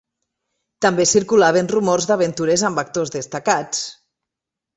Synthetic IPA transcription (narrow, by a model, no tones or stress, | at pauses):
t̪ambesiɾkulaβenrumorzðaβent̪uɾezambak̚t̪ozðest̪akat͡s